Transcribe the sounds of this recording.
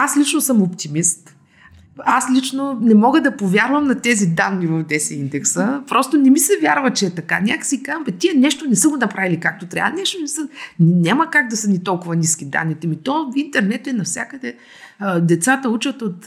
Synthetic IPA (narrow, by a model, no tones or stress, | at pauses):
aslit͡ʃnosəmopt̪imist̪ | aslit͡ʃnonɛmɔɡəd̪ɐpovʲjaɾvəmnɐt̪ɛzid̪anːivɐfd̪ɛsɛind̪ɛksəpɾɔst̪onɛmisɛvjaɾvət͡ʃɛːt̪ɐka̰nʲakə̥sikazmpɛt̪iɛnɛʃt̪onɛsəɡonɐpɾavilikak̚t̪ot̪ɾa̰nɛʃt̪onɛmisɛnnʲaməkaɡ̚d̪ɐsənit̪ɔlˠkʊvɐnisk̟id̪a̰nːit̪ɛmit̪ɔfint̪ɛɾnɛt̪ɛnɐfsʲjakəd̪ɛ | d̪ɛt̪sat̪əut͡ʃət̪ot̪